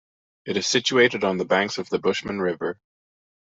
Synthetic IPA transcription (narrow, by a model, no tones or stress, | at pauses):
ɨɾɨz̥sɪt͡ʃʉeɪɾɨɾn̩ðəbæ̃ŋksʌvðəbʊʃmɨ̃nɹɪvə˞